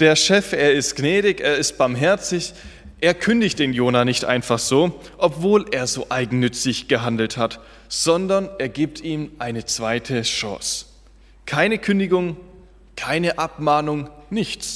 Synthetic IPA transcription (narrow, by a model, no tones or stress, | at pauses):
d̥eːɐʃɛfeːɐɪstɡ̥nɛːɾɪçeːɐɪst̚b̥aɐmɦɛɐt͡sɪç | ʔeːɐkʰʏndɪçt̚d̥eːnjoːnanɪçtʔa̰ɪnfaχz̥oːʔɔpv̥oːleːɐzoːʔaɪɡŋ̩nʏt͡sɪçɡ̥əɦandl̩that | z̥ɔndɐnʔeːɐɡiːp̚tiːmʔaɪnət͡sv̥aɪtʰəʃɔ̰ːs | kʰaɪnəkʰʏndɪɡʊŋ | kʰaɪnəʔap̚maːnʊŋnɪçt͡s